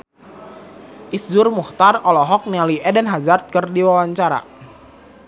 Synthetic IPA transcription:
ʔisd͡ʒʊrmuht̪arɔlɔɦɔk̚nialiʔɛdənɦazart̪̚kərdiwawaɲt͡ʃaɾa̰

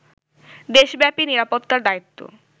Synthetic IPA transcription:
d̪eʃbɛpiniɾapot̪ːaɾd̪ait̪ːo̰

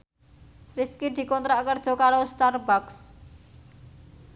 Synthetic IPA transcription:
rifkid̪̥i̤kɔnt̪ɾaʔkərd̥ʒ̥ɔ̤kaɾost̪arbaks

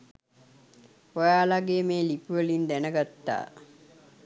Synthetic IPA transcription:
ojaːlaɡeːmeːlipuʋəlind̪ænəɡat̪ːa̰ː

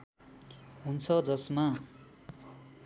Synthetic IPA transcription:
ɦunt͡sʰʌd͡zʌsma

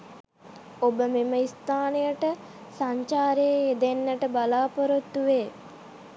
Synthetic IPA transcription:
obəmeməist̪aːnejəʈə | saɲt͡ʃaːɾeed̪enːəʈəbalaːpəɾot̪ːuʋeː

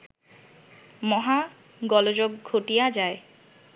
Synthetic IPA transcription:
mɔɦa | ɡɔlod͡ʑok̚ɡʱoʈijad͡ʑae

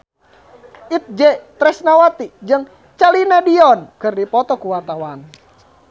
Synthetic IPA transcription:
ʔit̪̚d͡ʒɛt̪ɾɛsnawat̪id͡ʒɨŋ | t͡ʃalinadiɔnkɨrdipɔt̪ɔkuwart̪awan

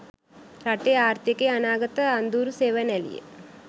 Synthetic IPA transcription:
ɾɐʈːeaːɾt̪jɐkːeɐnaːɡɐt̪ːɐɐnd̪uːɾuseːʋɐnɛlḭjḛ

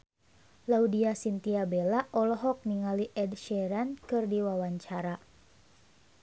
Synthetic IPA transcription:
laudiasint̪iabelaʔɔlɔɦɔk̚niŋaliʔɛdʃɛɾankɨrdiwawaɲt͡ʃaɾa

